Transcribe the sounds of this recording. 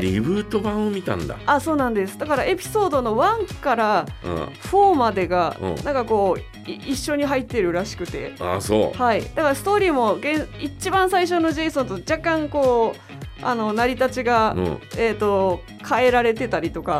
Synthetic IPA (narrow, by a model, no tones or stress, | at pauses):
ɾʲibɯ̟ːt̪o̞bãɰ̃omʲit̪ã̰nd̪a̰aso̞ːnãnd̪e̞sɨ̥d̪akaɾae̞pʲi̥so̞ːd̪o̞no̞βãŋkaɾã̰ | ɸo̞ːmad̪e̞ɡã̰nãŋkako̞ː | iɕːo̞ɲ̟iɦait̪ːe̞ɾɯ̟ɾaɕi̥kɯ̟t̪e̞̰a̰so̰haid̪̥akaɾasɨ̥t̪o̞ːɾʲiːmo̞ɡẽ̞ɰ̃it͡ɕibãɰ̃saiɕ̬o̞no̞ʑe̞isõnt̪od͡ʑakːãŋko̞ː | a̰no̞naɾʲit̪at͡ɕiɡã̰e̞ːt̪ːo̞ | kʰae̞ɾaɾe̞t̪e̞t̪aɾʲit̪o̞ka